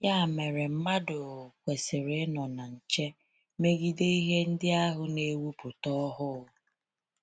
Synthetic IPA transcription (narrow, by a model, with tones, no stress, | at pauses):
ja˦˨me˨ɾɪ˨m̩˦ma˦dʊ˨kʷe˨sɪ˨ɾɪ˨˦nɔ˨na˨n̩˨t͡ʃe˦ | me˦ɡi˦de˦i˦ɦe˦n̩˦dɪ˦a˦ɦʊ˨ne˦wu˦pʊ˨tɔ˦ɦʊ˦